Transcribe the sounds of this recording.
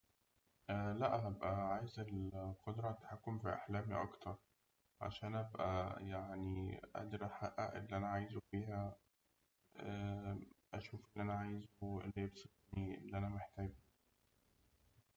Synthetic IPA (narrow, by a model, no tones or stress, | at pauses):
ʔælæʔɦæbʔæʕaːjezelqod̪ɾˤɑt̪ːḁħakːomfiʔa̰ħlæːmḭʔɑ̰kt̪ɑɾˤ | ʕa̰ʃæːnʔæbʔæ̰jaʕniʔæ̰d̪ɾɑħaʔæʔelːiʔænæʕaːjzofiːɦæ | ʔæʃuːfʔelːʔænæʕaːjzoʔḛlːijebsˤet̪niʔḛlːiʔænæmeħt̪æːɡ̚